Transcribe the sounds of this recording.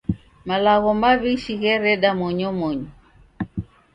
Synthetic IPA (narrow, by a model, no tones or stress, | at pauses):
malaɣɔmaβiʃiɣɛɾɛɗamɔɲɔmɔɲɔ